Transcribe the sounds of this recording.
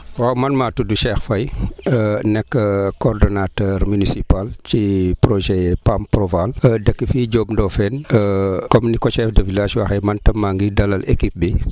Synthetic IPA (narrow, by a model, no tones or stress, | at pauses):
wamɐnmaːtuduʃɛːxfɐj | nɛkːəkɔːrdɔnatɛɾmynisipalcipɾɔʒɛpamprɔvaldɐkːəfiːɟoːbndɔfɛnəkɔmnikɔʃɛːfdɐvilaːʃwɐxɛjmɐntɐmːaŋɡidɐlɐlekip̚bi